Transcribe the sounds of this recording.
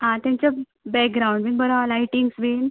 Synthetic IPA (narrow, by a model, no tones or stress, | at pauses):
ɦãt̪jãɲt͡ɕa | bɛk̚ɡɾauɳɖmiɡbəɾalajʈiŋɡsʋin